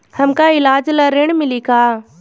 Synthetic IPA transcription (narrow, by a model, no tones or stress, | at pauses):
hɐmkaɪlaːd͡ʒləɾeɳ̃mɪlikaː